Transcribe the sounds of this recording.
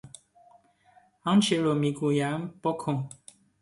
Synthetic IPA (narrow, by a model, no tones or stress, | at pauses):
ãn̩t͡ʃeɾomiɡujam̩pɔkʰõ